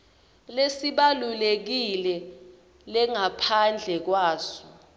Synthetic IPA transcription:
lesiɓalulek̬ilɛ | lɛŋapʰand͡ɮʱɛk̬waːsɔ̥

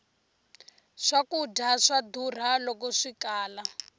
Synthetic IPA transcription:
ʂakudʱaʂadur̤alɔk̬ɔʂikaːla

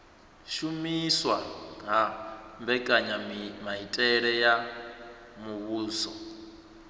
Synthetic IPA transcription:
ʃumiswaɦambɛkʼaɲamaɦitʼɛɺɛja | muβuːsɔ

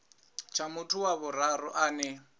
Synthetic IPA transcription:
t͡ʃʰamʊtʰʊwaβʊrarʊʔaːnɛ

